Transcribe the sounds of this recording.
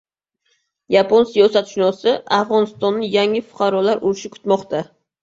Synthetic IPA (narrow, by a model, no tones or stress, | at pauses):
japʰonsijɒsat̪ʃʊnɒsɪafʁɒnɪst̪ɒnːɪjaŋɪfʊ̥qʰɑɾɒlaɾʔʊɾɪʃɪkʰʊ̥t̪mɒqt̪ʰa